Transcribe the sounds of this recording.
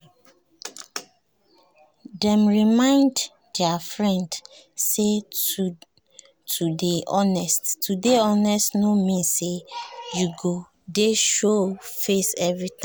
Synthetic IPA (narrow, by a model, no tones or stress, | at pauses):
dɛ̃mɹimãɪ̃nd | dɛafɹɛ̃nd | se | tʰudeʔɔnɛsttudeɔnɛstnomĩnsejuɡo | deʃofesɛvɹit̪ã